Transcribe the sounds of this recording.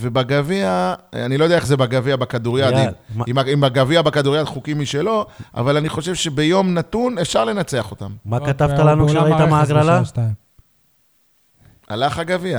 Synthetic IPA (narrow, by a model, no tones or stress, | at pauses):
vebaɡaviaanilojdeaeχzebaɡaviabakad̪uʁjad̪inimaimbaɡaviabakad̪uʁjad̪χukimːiʃelo̞ʔa̰valaniχo̞ʃevʃe̞bejo̞mnat̪unefʃaʁle̞nat͡seaχo̞t̪ammakat̪avtalanuʃait̪amaaɡlala | a̰laχaɡavia